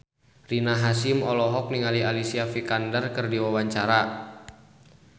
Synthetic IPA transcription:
rinaɦasimɔlɔɦɔk̚niŋalialisiafikandərkɨrdiwawaɲt͡ʃaɾa

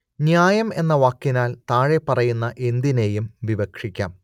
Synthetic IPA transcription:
njaːjɐme̞nːɐʋaːkːinaːlt̪aːɻe̞pːɐrɐjunːɐʔe̞nd̪ine̞jumʋiʋɐkʂikʲːa̰ːm

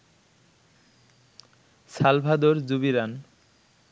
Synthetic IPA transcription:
salbʱad̪oɾd͡ʑubiɾan

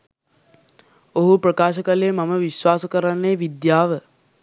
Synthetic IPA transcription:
oɦupɾəkaːʃəkəleːmaməʋiswaːsəkəɾanːeːʋid̪jaːʋə

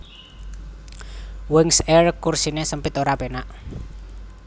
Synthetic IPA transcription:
wɪŋsɛrkːursinesəmpɪt̪oɾapenaʔ

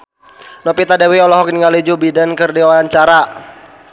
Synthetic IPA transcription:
nɔpit̪adawiɔlɔɦɔk̚niŋalid͡ʒubidankərdiwaaɲt͡ʃaɾa

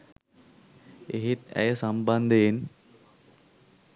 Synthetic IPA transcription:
eɦet̪æ̰jəsamband̪een

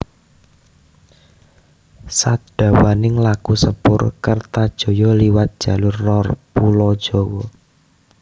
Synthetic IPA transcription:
sad̥a̤wanɪŋlakusəpʊrkərt̪ad̥ʒ̥o̤jɔliwat̪̚d̥ʒ̥a̤lʊrːɔrpulɔd̥ʒ̥ɔ̤wɔ

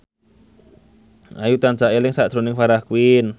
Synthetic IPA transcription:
ajut̪and͡ʒaʔelɪŋsaʔd̪̥ɾonɪŋfaɾahkuwɪn

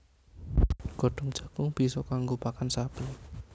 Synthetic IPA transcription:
ɡ̥ɔ̤ɖ̥ɔ̤ŋd̥ʒ̥a̤kʊŋb̥i̤sɔkaŋɡopakansapi

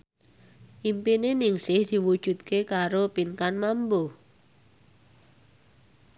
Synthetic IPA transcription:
ʔimpinenɪŋsɪhd̪̥i̤wu̥ʒ̥ṳt̪̚kʰekaɾopiŋkanmambo

